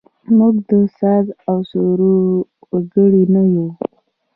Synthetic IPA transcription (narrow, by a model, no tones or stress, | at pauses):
muɡd̪əsad̪awsoɾu | ɡəɽinaju